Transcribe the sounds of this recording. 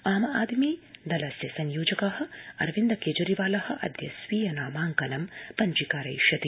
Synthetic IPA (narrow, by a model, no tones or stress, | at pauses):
aːmɐaːd̪miːd̪ɐlɐsjɐsɐɲjoːd͡ʒɐkɐɦɐ̆ɐ̰ɾʋind̪ɐkeːd͡ʒɐɾiʋaːlɐhɐ̆ʔɐ̰d̪jɐ̰sʋiːjɐnaːmaːŋkɐnɐmpɐɲd͡ʒikaːɾɐjʃɐt̪i